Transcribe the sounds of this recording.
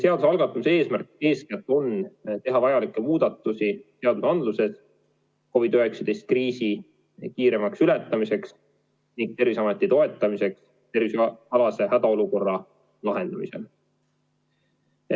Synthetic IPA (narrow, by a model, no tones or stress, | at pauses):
se̞ɑd̪usɑlɡ̥ɑt̪ːˑumusee̞ːsmærke̞ːsket̪ːˑo̞nt̪e̞ɦɑvɑjɑlikːˑemuːd̪̥ɑt̪ˑːusise̞ɑd̪̥usɑnd̪luse̞s | ko̞vid̪øɦe̞ksɑd̪̥e̞jst̪̚kriːsi | kiːɾe̞mɑksylet̪ːˑɑmise̞ks | niŋɡ̥̚t̪e̞rvisɑmet̪ːˑit̪o̞e̞t̪ːˑɑmise̞ks | t̪e̞ɾvisɑlɑse̞hæd̪̥ɑo̞luko̞rːɑ | lɑɦe̞nd̪̥ɑmise̞̰l